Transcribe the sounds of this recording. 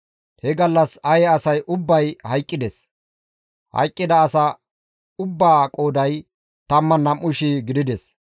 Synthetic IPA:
hɛɡɐlːɐsɐjɛɐsɐjʔʊbːɐjhɐjkʼːɪd̪ɛs | hɐ̰jkʼːɪd̪ɐːsɐ | ʊbːaːkʼoːd̪ɐj | t̪ɐmːɐnːɐmːʊʃiɡɪd̪ɪd̪ɛs

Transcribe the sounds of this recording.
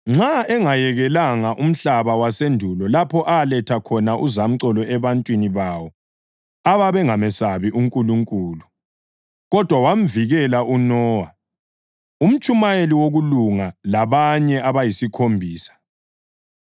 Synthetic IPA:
ŋ͡ǁaɛŋajɛɣɛlaŋaʔum̩ɬaβawasendʱulɔlapʰɔʔalɛtʰakʰɔnaʔuzam̩ǀɔlɔɛβantʼwiniβawɔ | aβaβɛŋamɛsaβiʔuŋkʼuluŋkʼuːlu | ɣɔd̥ʱwawam̩viɣɛlaʔunɔːwa | um̩t͡ʃʼumajeliwoɣuluŋalaβaɲɛaβajisikʰombʱiːsḁ

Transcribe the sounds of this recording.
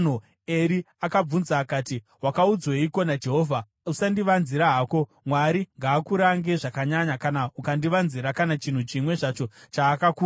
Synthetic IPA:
no | eɾi | akab͡vunzaːkaːti | ɦwakaud͡zweiko̞nad͡ʒe̞ɦo̞ːvʱa | usandiʋanziɾaɦaːko̞ | mwaɾiŋɡaːkuɾaŋɡe̞ʐakaɲaɲakanaukandiʋanziɾakanat͡ʃin̤ut͡ʃimwe̞ʐat͡ʃo̞t͡ʃaːkaku

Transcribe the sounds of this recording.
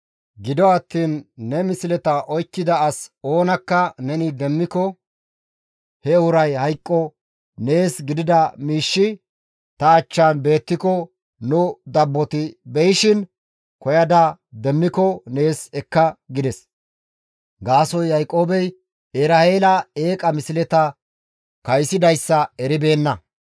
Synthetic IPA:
ɡɪd̪ɔɐt̪ːiːnːɛmɪsɪlɛt̪ɐʔɔjkːɪd̪ɐːso̞ːnɐkːɐnɛnɪd̪ɛmːɪkɔ | hɛʊɾɐjhɐjkʼːɔ | ne̞ːsɡɪd̪ɪd̪ɐmiːʃːɪ | t̪ɐːt͡ʃːaːnbe̞ːt̪ːɪkɔ | nʊd̪ɐbːɔt̪ɪbɛjɪʃɪn | kɔjɐd̪ɐd̪ɛmːɪkɔne̞ːsɛkːɐɡɪd̪ɛs | ɡaːsɔjːɐjkʼːo̞ːbɛj | eɾɐeːlɐe̞ːkʼɐmɪsɪlɛt̪ɐ | kɐjsɪd̪ɐjsːɐɛɾɪbe̞ːnːɐ

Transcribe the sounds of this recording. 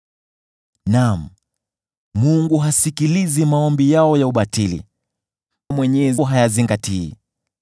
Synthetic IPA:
nam̩ | muŋɡuɦasikilizimaɔmbijaɔjauɓatilḭ | mwɛɲɛzɦajaziŋɡatḭː

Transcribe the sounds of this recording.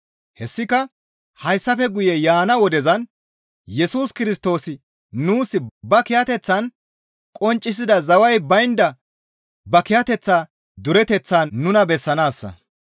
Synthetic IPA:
hɛsːɪkɐ | hɐjsːɐfɛɡʊjɛjaːnɐwɔd̪ɛzɐn | jɛsuːskɪɾɪst̪o̞ːsɪ | nuːsɪbɐkɪjɐt̪ɛt͡sːɐn | kʼɔnt͡ʃʼːɪs̬ɪd̪ɐzɐwɐjbɐjnd̪ɐ | bɐkɪjɐt̪ɛt͡sːaː | d̪ʊɾɛt̪ɛt͡sːaːnʊnɐbɛsːɐnaːsːɐ̰

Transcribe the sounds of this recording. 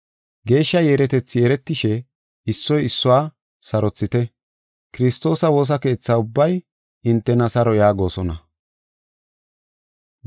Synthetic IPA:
ɡe̞ːʃːɐjeːɾɛt̪ɛt͡sːɪjeːɾɛt̪ːɪʃɛ | ɪsːɔjɪsːʊwaː | sɐɾɔt͡sːɪt̪ɛ | kɪɾɪst̪o̞ːsɐwo̞ːs̬ɐke̞ːt͡sːaʊbːɐj | ɪnt̪ːɛnɐsɐɾɔjaːɡo̞ːsɔnɐ

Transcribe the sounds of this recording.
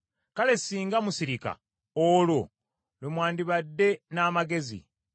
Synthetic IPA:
kale̞siːŋɡamusiɾika̰ | oːlo̞ | lemwaːndiβadːe̞naːmaɡe̞zḭ

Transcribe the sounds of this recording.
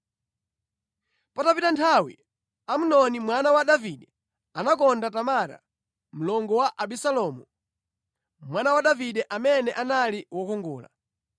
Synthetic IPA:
patapitantʰawḭ | am̩nɔnimwanawaɗaviɗɛ | anak̬ɔndatamaɾa̰ | m̩lɔŋɡɔwaʔaɓisalɔmu | mwanawaɗaviɗɛʔamɛnɛʔanaliwɔkuŋɡṵːla̰

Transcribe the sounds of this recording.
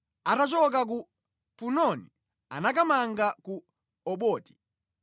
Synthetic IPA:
atat͡ʃɔk̬ak̬u | punɔnḭ | a̰nakamaŋɡaku | ɔɓɔːti̥

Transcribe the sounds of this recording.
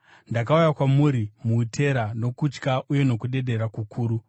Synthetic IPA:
ndak̬aujakwamuːɾimutʰe̞ɾano̞kut͡ʃkaʔuje̞no̞kuɗe̞ɗe̞ɾakukʰuːɾu

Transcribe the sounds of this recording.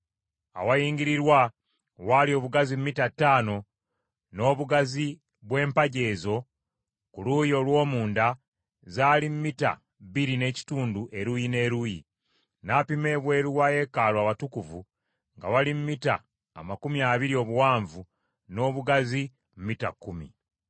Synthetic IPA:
a̰wajiːɲɡiɾiɾwa | walio̞ːβuɡazimmitatːaːno̞ | no̞ːβuɡazi | βwe̞ːmpaɟe̞ːzo̞ | kulujo̞lwo̞ːmuːnda | zaːlimmita̰ | βiɾine̞ci̥tuːnduʔe̞ɾujine̞ːɾujḭ | napime̞ːβwe̞ɾuwaje̞kalwaːβatukuvu | ŋɡa̰walimmita̰ː | makumiaːβiɾio̞βuwaːɱvu | no̞ːβuɡazi | m̩mita̰kːumḭ

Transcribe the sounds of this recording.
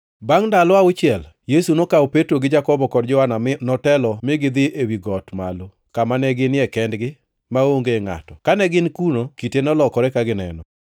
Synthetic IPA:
baŋndalɔaʊt͡ʃɪɛl | jesunokawpetɾoɡɪd͡ʒakɔbɔkɔdd͡ʒɔananɔtɛlɔmɪɡɪd̪ɪʔewiɡɔtma̰lo | kamanɛɡɪnɪɛkɛndɡɪ | maoŋɡeŋa̰tɔkanɛɡɪnkunokitenɔlɔkɔɾɛkaɡɪnɛ̰nɔ

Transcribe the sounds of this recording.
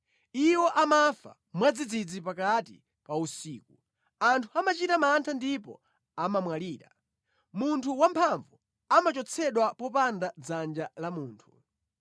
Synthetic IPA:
iwɔʔamafa̰ | mwad͡zid͡zid͡zipakatḭ | pausiːku | antʰuamat͡ʃitamantʰandipɔ̰ | amamwaliːɾa | muntʰuwampʰaɱvu | amat͡ʃɔt͡sʰɛɗwapɔpandad͡zand͡ʒalamuːntʰu̥

